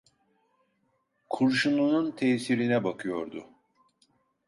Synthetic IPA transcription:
kʰuɾʃunununt̪ʰɛːsiɾinɛbakʰɯjo̞ɾd̪ʊ

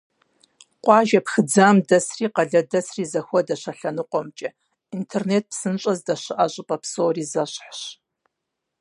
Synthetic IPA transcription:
qʷʼɑːʒɐpxɨd͡zaːmdɐsriːqɐɮɐdɐsriːzɐxʷɔdɐʃɐɬɐnɨqʷʼɔmt͡ʃʼɐ | intʰernet̚psɨnt͡ʃʷʼɐzdɐʃɨʔɐɕʼɨpʼɐpʰsoːriːzɐɕħɕ

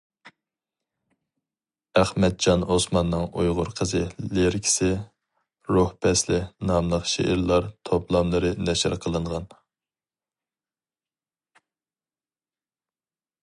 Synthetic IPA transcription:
æχmɛt̪̚d͡ʒɑnosmɑnːɨŋojʁʊɾqʰəzɨleɾkʲʰi̥sɪ | ɾuhpʰɛslɪnɑmlˠəqʃḛʔɪɾlˠɑɾt̪ʰoplˠɑmlˠɨɾɨnɛʃɪɾqʰəlˠɨɴʁɑn

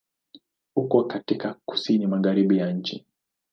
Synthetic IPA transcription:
hukɔkatikaku̥sinimaɣaɾiɓijaɲ̩t͡ʃi

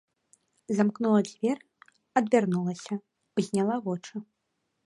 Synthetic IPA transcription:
zamknulˠɐd͡zʲvʲɛr | ɐd̪vʲarnulˠɐsʲɐ | uzʲnʲalˠavɔt͡ʂɨ

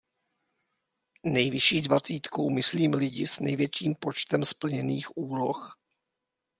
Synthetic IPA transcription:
nɛjvɪʃiːdvat͡siːt̪kowmɪsliːmlɪɟɪsnɛjvjɛt͡ʃiːmpot͡ʃt̪ɛmspl̩ɲɛniːxʔuːlox

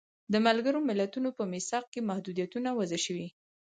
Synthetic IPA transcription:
d̪əmalɡəɾomɪlat̪unopəmɪsɑq̚kemahd̪ud̪ijat̪unawazəʃəwi

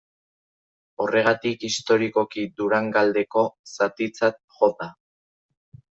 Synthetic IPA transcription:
o̞re̞ɣ̞at̪ikist̪o̞ɾiko̞kid̪uɾaŋɡald̪e̞ko̞sat̪it͡sat̪̚ | ʝo̞t̪a

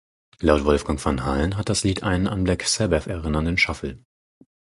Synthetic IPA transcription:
laʊtv̥ɔlfɡ̥aŋfanɦalnɦat̚d̥asliːtʔaɪnənʔanblɪksɛbɛfɛɐʁɪnɐndənʃafl̩

